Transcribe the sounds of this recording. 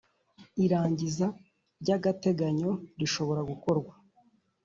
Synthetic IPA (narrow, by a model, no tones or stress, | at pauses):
iɾaːɲɟiza | ɾɟaɡate̞ɡaɲo̞ɾiʃo̞βo̞ɾaɡuko̞ɾɡwa